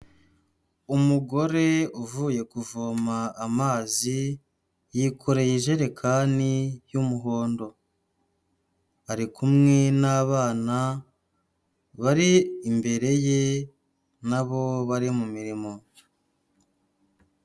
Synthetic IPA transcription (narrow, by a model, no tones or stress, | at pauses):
umuɡo̞ɾe̞uvuːje̞kuvomaːmaːzi | jikʰoɾe̞jiʒe̞ɾekʰanijumuɦo̞ːndo̞ | aɾikumŋe̞naːβaːna | βaɾiːmbe̞ɾe̞je̞ | naβo̞βaɾimumiɾimo̞